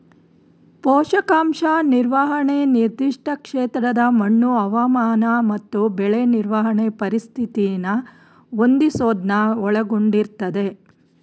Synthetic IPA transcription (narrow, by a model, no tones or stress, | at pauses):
pɔːʂɐkaːmʂaːniɾʋɐɦɐɳeniɾd̪iʂʈʰɐkʂeːt̪ɾɐd̪ɐmɐɳːuɐʋɐmaːnɐmɐt̪ːubɛɭeniɾʋɐɦɐɳepɐɾist̪ʰit̪ijnɐ | ond̪isoːd̪nɐɔɭɐɡoɳɖiɾt̪ɐd̪e̞